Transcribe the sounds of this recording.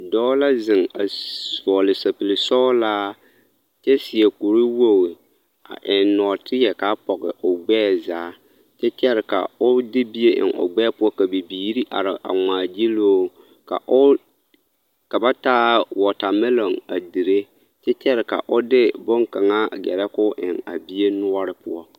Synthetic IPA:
dɔː˦la˦zɪ˨ŋa˨vɔ˨lɪ˨sa˨pi˨lɪ˨sɔː˦laː˦ | t͡ʃɛ˦sɪ˨ɛ˨ku˨ɾi˦wo˦˨wɪ˨ | a̰˨ʔɪ˨nnɔ˨tɪ˦jɛ˨ka˦pɔ˨ɣɪ̰˨ʔʊ˨ɡ͡bɛː˦˨zaː˦ | t͡ʃɛ˦t͡ʃɛ˦ɾɪ˨ka̰˨ʊ˦dɪ˦bi˦je˦ʔɪ̰˨nʔʊ̰˨ɡ͡bɛ˦pʊ˦ɔ˦ka˨bi˨biː˨˦ɾi˦ʔa̰˨ɾɪ˨ʔa̰˨ŋaː˨d͡ʒi˦loː˦ | ka̰˨ʔʊ˦ | ka˨ba˦taː˦wɔ˨ta˨me˦lo˨ŋa̰˨di˨ɾe˦ | t͡ʃɛ˦t͡ʃɛ˦ɾɪ˨ka̰˨ʔʊ˦dɪ˦bʊ˦ŋka˨ŋa˦ɡɛ̰˨ɾɛ˦kʊ˦ʔɪ̰˨ŋa̰˨bi˦e˦nʊ˦ɔ˦ɾɪ˦pʊ˦ɔ˦

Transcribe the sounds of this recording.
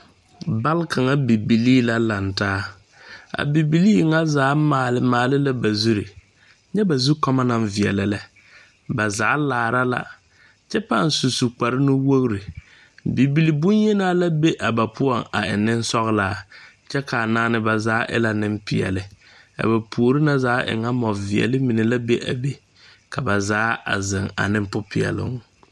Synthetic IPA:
ba˦lkʰa˨ŋa˦bi˨bi˨liː˦la˦la˨ntaː˦ | a̰˨bi˨bi˨liː˦ŋa˦zaː˨˦maː˨lɪ˦maː˨lɪ˦la˦ba˨zu˦ɾi˨ | ɲɛ˦ba˨zu˦ka˦ma˦na˦ɱvɪ˨ɛ̰˨lɪ˨lɛ˦ | ba˨zaː˨˦laː˨ɾa˦la̰˨ | t͡ʃɛ˦pa˦˨n˨su˨su˨k͡pa˨ɾɪ˦nʊ˦wo˦ɣɾi˨ | bi˨bi˦li˨bʊ̃˦ɲje˦naː˦la˦be˦ʔa˨ba˨pʰʊ˦ɔ˨ŋa̰˨ɪ̰˨nɪ˦n˦sɔ˦ɣlaː˦ | t͡ʃɛ˦ka˨naː˦nɪ˦ba˨zaː˨˦ʔɪ̰˦la˦nɪ˦m˦pɪ˨ɛ̰˨lɪ˨ | a̰˨ba˨pʰu˨o˨ɾi˦na˦zaː˨˦ʔɪ̰˨ŋa˦mɔ˨vɪ˨ɛ̰˨lɪ˦mi˨ne˨la˦be˦ʔa̰˨be˦ | ka˨ba˨zaː˨˦a̰˨zɪ˨ŋa̰˨nɪ˦m˦pʊ˦pʰɪ˨ɛ̰˨lʊ̰˦ŋ

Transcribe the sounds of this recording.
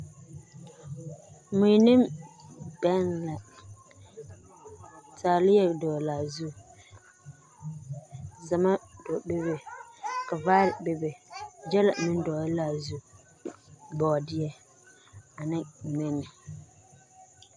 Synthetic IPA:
mũ˨nɪ̃˦m | bɛ˦nla˨ | tʰaː˨lɪ˦jɛ˦dɔː˨la˨zu˦ | za˨ma˦dɔ˨be˦be˨ka˨vaː˦ɾɪ˨be˦be˨d͡ʒɛ˦la̰˨mɪ̃˦n˦dɔː˨˦la˨zu˦ | bɔː˨dɪ˦ɛ˦ | a˨nɪ̃˦˨mɛ˦nɪ˨

